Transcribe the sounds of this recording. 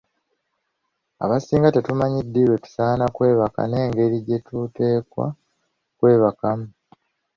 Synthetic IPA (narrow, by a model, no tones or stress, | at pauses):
a̰βasiːŋɡate̞tumaɲidːiɾwe̞tu̥saːnakwe̞ːβaka̰ne̞ːŋɡe̞ɾiɟe̞tute̞ːkwa̰ | kwe̞ːβakamu